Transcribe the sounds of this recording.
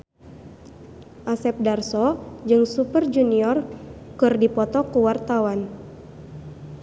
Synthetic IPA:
ʔasɛp̚darsɔd͡ʒɨŋsupərd͡ʒuniɔrkɨrdipɔt̪ɔkuwart̪awan

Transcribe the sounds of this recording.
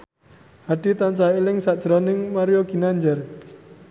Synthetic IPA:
haɖ̥i̤t̪ant͡ʃailɪŋsaʔd̥ʒ̥ɾɔnɪŋmaɾioɡ̥i̤naɲd͡ʒɛr

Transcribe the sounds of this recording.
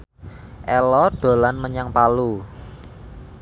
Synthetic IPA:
ʔɛlɔɖ̥o̤lanməɲaŋpalu

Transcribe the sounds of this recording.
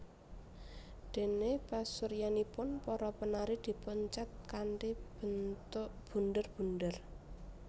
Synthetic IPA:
d̪̥e̤nepasuɾjanipʊnpɔɾɔpənaɾid̪̥i̤pəɲt͡ʃat̪̚kanʈib̥ə̤nt̪ʊʔb̥ṳnd̪ərb̥ṳndər

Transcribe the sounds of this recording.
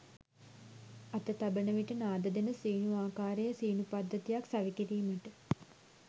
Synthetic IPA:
at̪ət̪abənəʋiʈənaːd̪əd̪enəsiːnuaːkaːɾejəsiːnupad̪ːət̪ijaksaʋikiɾiːməʈə

